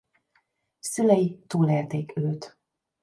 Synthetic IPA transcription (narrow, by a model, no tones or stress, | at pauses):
sylɛjit̪uːleːrt̪eːkøːt̪